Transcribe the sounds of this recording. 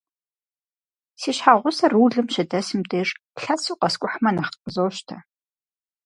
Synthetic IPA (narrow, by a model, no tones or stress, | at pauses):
siːɕħaːʁʷʊsɐruːɮɨmʃɐdɐsɨmdʰʼeːr | ɬɐsuːqɐskʷʼʊħmɐnaχqʼəzowɕtʰɐ